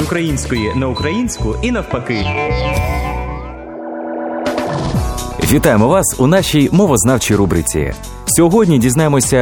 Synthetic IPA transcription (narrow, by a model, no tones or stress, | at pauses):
ʊkɾɐjinʲsʲkɔjinɐʊkɾɐjinʲsʲkʊinɐwpɐkɪ | ʋʲit̪ɑjemɔʋɑsunɑʃʲijmɔʋɔznɑwt͡ʃijɾubɾɪt͡sʲḭ | sʲɔɦɔdʲnʲidʲiznɑjemɔsʲɐ